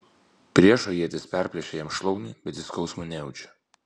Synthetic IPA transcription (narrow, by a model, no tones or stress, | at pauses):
pʲɾʲiɛʃoːjiɛt̪ʲɪspʲæˑɾʲpʲlʲɛʃʲejɛmʃlˠɔʊnʲiːbʲɛt̪ʲɪskɒʊsmʊnʲɛɛʊt͡ʃʲɛ̥